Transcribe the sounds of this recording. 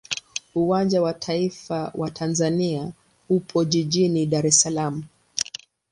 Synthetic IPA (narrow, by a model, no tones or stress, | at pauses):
uwand͡ʒawatʰaifawʔatʰanzania | hupʰɔʄiʄiniɗaɾɛsalamu